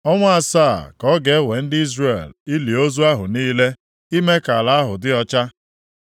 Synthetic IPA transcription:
ɔ˦ŋʷa˦a˨sa˦˨kɔ˦ɡe˨˦we˨n̩˦dɪ˦i˦zre˨li˦li˨o˦zu˦a˦ɦʊ˨niː˦le˦ | i˦me˦ka˨la˨a˦ɦʊ˨dɪ˦ɔ˦t͡ʃa˦

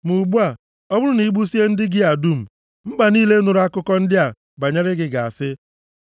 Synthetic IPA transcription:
mu˨ɡ͡bu˦a˨ | ɔ˦bʊ˦ɾʊ˦ni˨˦ɡ͡bu˦si˦e˦n̩˦dɪ˦ɡɪ˦a˨du˦m̩˨ | m̩˦ɡ͡ba˨niː˦le˦nʊ˨ɾa˦kʊ˦kɔ˦n̩˦dɪ˦a˨ | ba˨ɲe˦ɾɪ˦ɡɪ˨ɡa˨a˨sɪ˦

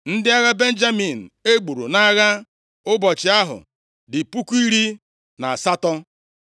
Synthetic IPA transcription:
n̩˦dɪ˦a˦ɣa˦be˦n̩˦d͡ʒa˦mi˨n̩˨e˦ɡ͡bu˨ɾṵ˨na˦ɣa˦ | ʊ˦bɔ˨t͡ʃɪ˨a˦ɦʊ̰˨ | dɪ˨pu˦ku˦i˦ɾi˦ | na˨sa˦tɔ˦

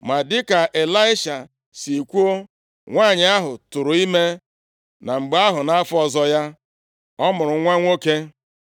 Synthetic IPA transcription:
ma˨dɪ˦ka˨ʔe˨la˦ɪ˦ʃa˨ | si˨kʷu˦o˦ | ŋʷaː˦˨ɲɪ˨˦a˦ɦʊ˨tʊ˨ɾʊ˨i˦me˦ | na˨ŋ͡m̩˨ɡ͡ba˦ɦʊ˨na˦a˦fɔ˨zɔ˦ja˦ | ɔ˦mʊ˨ɾʊ˨˦ŋʷa˦ŋʷo˦ke˦

